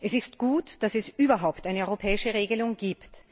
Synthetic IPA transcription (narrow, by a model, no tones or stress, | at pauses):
ʔɛsɪstɡ̥uːtd̥asɛsʔyːbɐɦaʊptʔaɪnəɔʏʁopʰɛːɪʃəʁeːɡəlʊŋɡiːpt